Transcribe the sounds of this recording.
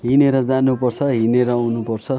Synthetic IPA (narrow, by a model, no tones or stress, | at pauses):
ɦineɾʌd͡zanupʌrt͡sʰʌɦineɾʌawnupʌrt͡sʰʌ